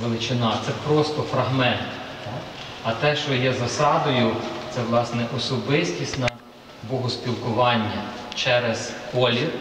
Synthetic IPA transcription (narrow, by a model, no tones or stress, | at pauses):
ʋelˠɪt͡ʃɪnɑt̪sɛpɾɔst̪ɔfɾɐɦmɛnt̪t̪aɐt̪ɛʃt͡ʃɔjɛzɐsɑd̪ɔjʊt̪sɛʋlˠɑsnɛʔɔsɔbɪsʲtʲisʲtʲnɐ | bɔɦʊspʲilˠkʊʋɑnʲːɐt͡ʃɛɾezkɔlʲi